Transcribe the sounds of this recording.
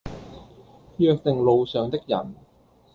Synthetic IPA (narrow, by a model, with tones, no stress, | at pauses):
jœː˧k̚t̪ɪ˨ŋlo˨˧wsœː˨ŋt̪ɪ˥k̚jɐ̰˨˩n